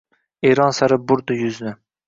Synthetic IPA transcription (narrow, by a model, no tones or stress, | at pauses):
eɾɒnsaɾɪbʊɾd̪ʊjʊznɪ